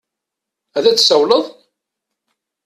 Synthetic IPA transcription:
æðæt͡sːsəwləðˤ

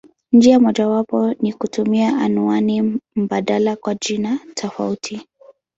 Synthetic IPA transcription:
nd͡ʒiamɔʄawapɔnikutumiaʔanuanim̩baɗalakwaʄinatʰɔfa̰utʰi

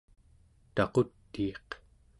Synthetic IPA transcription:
t̪ɑqot̪ːiːq

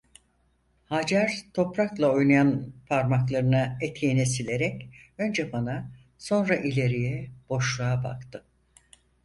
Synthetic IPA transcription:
had͡ʒaɾt̪ʰo̞pɾaklˠao̞jnajanpʰaɾmaklˠaɾɯnaɛt̪ʰjenɛsilʲe̞ɾɛcø̞nd͡ʒɛbana | so̞nɾaʔilʲe̞ɾijɛb̥o̞ʃlˠaaba̰kt̪ɯ

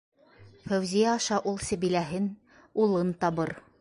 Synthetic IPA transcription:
fæwzijæːʃɑʔulˠsɘ̆βilæɦɘn | ulˠɤnt̪ɑβɤɾ

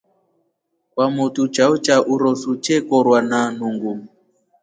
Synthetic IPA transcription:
kwamutut͡ʃaut͡ʃaʔuɾɔsut͡ʃɛkɔɾwanan̤uŋɡu

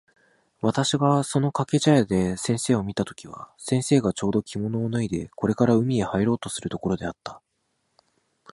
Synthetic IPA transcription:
βat̪aɕiɡaso̞no̞kake̞ʑajad̪e̞sẽ̞ɰ̃se̞ːo̞mʲit̪at̪o̞̥kʲiβa̰sẽ̞ɰ̃se̞ːɡat͡ɕo̞ːd̪o̞kʲʰimo̞no̞ːnɯid̪e̞ko̞ɾe̞kaɾaɯ̟mʲie̞haiɾo̞ːt̪o̞sɨɾɯ̟t̪o̞ko̞ɾo̞d̪e̞at̪ːḁ

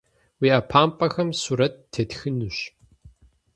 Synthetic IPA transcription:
wiːaːpʰaːmpʼɐxɐmsuːɾɐt̚ːʰetxɨnuɕ

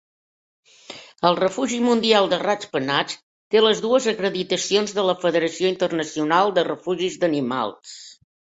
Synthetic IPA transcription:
əlˠrəfuʒimund̪ialˠd̪ərat͡spənat͡s | t̪eləzðuəzəkɾəðit̪əsionzðələfəðəɾəsioint̪ərnəsiunalˠd̪ərəfuʒizd̪ənima̰lˠs

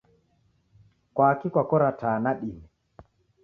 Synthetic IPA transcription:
kwakikwakɔɾatʰanaɗinɛ

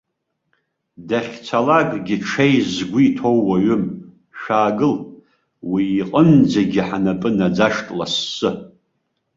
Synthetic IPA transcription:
daχʲt͡sʷʰalaɡɡʲiʈ͡ʂʰejzɡʷiitʰo̞wːaɥʏm | ʃaːɡɨl | wiːqʼənd͡zaɡʲiħanapʼɨnad͡zaʂtʼlasːɨ

